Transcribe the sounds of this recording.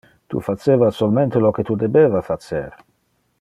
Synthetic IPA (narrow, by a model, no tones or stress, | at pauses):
t̪ṵfat͡ʃːeːvasolment̪elok̟et̪ud̪ebevafat͡ʃḛɾ